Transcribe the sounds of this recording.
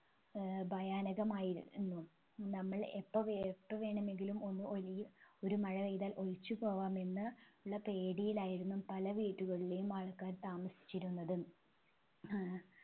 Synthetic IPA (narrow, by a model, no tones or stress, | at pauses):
bʱɐjaːnɐɣɐmaːjiɾṵnːu | nɐmːɐɭepːɐʋpːɐʋe̞ːɳɐme̞ŋɡilumo̞nːɨolijo̞ɾumɐɻɐʋejd̪aːlʔo̞ɻit͡ɕːupo̞ːʋaːme̞nːɨuɭːɐpe̞ːɽijilaːjiɾunːumpɐlɐʋiːʈːuɣɐɭile̞jumaːɭkːaːnt̪aːmɐsi̥t͡ɕːiɾunːɐðɨ